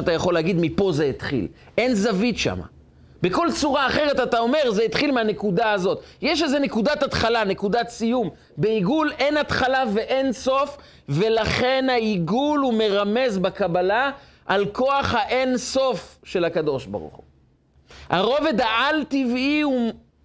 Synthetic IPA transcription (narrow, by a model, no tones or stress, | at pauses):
at̪ajaχo̞leaɡid̪mipo̞zeit̪χḭl | ʔe̞nzavit̪ʃa̰ma̰ | beko̞lt͡suʁaːχeʁet̪at̪ao̞me̞ʁzeit̪χilmeane̞kudaazo̞t̪jeʃ̬ezenekud̪at̪atχalane̞kud̪at͡sijum | beiɡule̞nat̪χalave̞ʔe̞nso̞f | ve̞laχe̞nhaiɡulume̞ʁame̞zbakabalaʔalko̞aχhaʔenso̞fʃe̞lakad̪o̞ʃba̰ʁṵχṵ | ha̰ʁo̞ve̞d̪aʔaltiviu